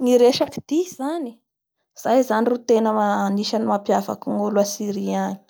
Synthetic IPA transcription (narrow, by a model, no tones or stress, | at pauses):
ŋiɾeʃaki̥d̪̥iz̥ani | z̥ajzanirut̪enəmaniʃanimapjava̰kuŋuluasiɾiani̥